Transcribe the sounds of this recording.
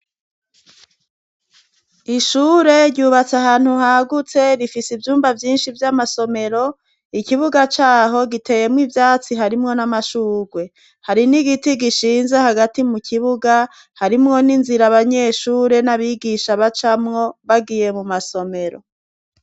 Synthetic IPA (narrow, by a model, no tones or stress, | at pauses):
iʃuːɾe̞ɾɟuːβat͡saɦaːn̥huhaɡut͡se̞ɾifisivjuːmbavjiːnʃivjamaso̞me̞ɾo̞ | ikiβuɡat͡ʃaːɦo̞ɡitʰe̞ːje̞mŋivjaːt͡siɦaɾimŋo̞namaʃuːɾwe̞ | haɾiniɡitiɡiʃiːnzehaɡatimukʰiβuɡa | haɾimŋo̞ninziɾaβaɲe̞ʃuːɾe̞naβiɡiʃaβat͡ʃamŋo̞βaɡiːje̞mumaso̞me̞ɾo̞̰